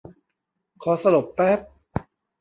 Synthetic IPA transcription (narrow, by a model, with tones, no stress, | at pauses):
kʰɔː˨˩˦sa˧lo˨˩pːɛː˦˥p̚